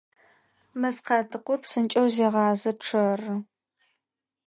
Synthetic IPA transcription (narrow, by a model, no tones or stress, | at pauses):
mɐzqɑːtʰɨqʷʊrpʰsɨnt͡ʃʼɐwzeːʁɑːzɐʈ͡ʂʰɐrɨ